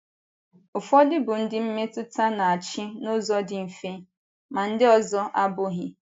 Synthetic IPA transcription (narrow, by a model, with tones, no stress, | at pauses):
ʊ˨fɔ˦dɪ˦bʊ˨n̩˦dɪ˦m̩˦me˦tʊ˦ta˦na˨a˨t͡ʃɪ˦nʊ˦zɔ˦dɪ˨m̩˨fe˦ | ma˨n̩˦dɪ˦ɔ˦zɔ˦ʔa˦bʊ˦ɦɪ˦